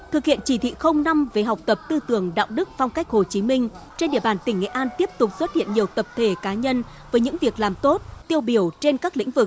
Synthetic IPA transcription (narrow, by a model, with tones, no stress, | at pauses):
t̪ʰɨ˨˩k̚hḭ˧˨ənt͡ɕi˧˩t̪ʰḭ˧˨xə˧wŋ͡mna˧mve˨˩ɦa˨˩wk͡p̚t̪ə˨˩p̚t̪ɨ˧t̪ɨ˨˧˩əŋɗa̰ː˧˨wɗɨ˦˥k̚fɔ˧wŋ͡mka˦˥jk̟̚ho˨˩t͡ɕi˨˦mï˧ŋ̟t͡ɕe˧nɗi˧˩əɓaː˨˩nt̪ï˧˩ŋ̟ŋḛ˧˨ʔaː˧nt̪i˦˥əp̚t̪ʊ˨˩k͡p̚swə˦˥t̚hḭ˧˨ənɲi˨˩əwt̪ə˨˩p̚t̪ʰe˧˩kaː˨˦ɲə˧n | vəː˨˦jɲɨ̰˧˥ŋvi˨˩ək̚laː˨˩mt̪o˦˥t̚t̪i˧əwɓi˧˩əwt͡ɕe˧nkaː˦˥k̚lḭ̈˧˥ŋ̟vɨ˨˩k̚